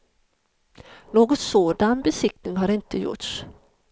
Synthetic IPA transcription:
noːɡɔt̪soːd̪anbɛsɪk̚t̪ɪŋɦaɾɪnt̪əjʊ̰ʈs

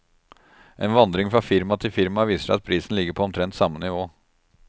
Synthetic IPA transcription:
ʔɛnʋɑnd̪ɾɪŋfɾɑfɪɾmɑt̪ʰɪfɪɾmɑʋiːsəʂæɪɑt̪̚pʰɾiːsn̩lɪɡəɾpʰɔɔmt̪ʰɾɛnt̪sɑmːənɪʋoː

